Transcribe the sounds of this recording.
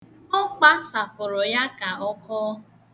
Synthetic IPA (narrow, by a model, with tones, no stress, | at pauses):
ɔ˦k͡pa˦sa˨fʊ˨ɾʊ˨ja˦ka˨ɔ˦kɔː˦